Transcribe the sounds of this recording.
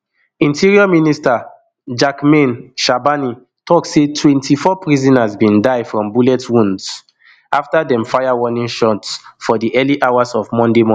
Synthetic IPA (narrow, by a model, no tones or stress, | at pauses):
ĩntʰiɹiɔminista | d͡ʒakmẽnʃabani | tʰɔksetʰwɛ̃ntʰifɔpɹizɔ̃nazbĩndaɪfɹɔ̃mbulɛtwũnds | aftadɛ̃mfajawɔnĩnʃɔtsfɔdiʔɛliʔawazɔvmɔ̃ndemɔ̃